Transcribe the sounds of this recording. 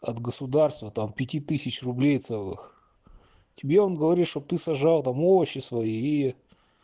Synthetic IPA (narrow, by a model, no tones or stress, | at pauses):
ɐt̪ɡəsʊd̪arst̪vət̪ampʲɪtʲit̪ɨsʲɪt͡ɕrʊblʲejt̪sɛlˠɨ̰x | tʲɪbʲeo̞nɡəvɐɾʲit̪ʃʂt̪ob̚t̪ɨsɐʐɑlˠt̪amovəɕːɪsvɐjiij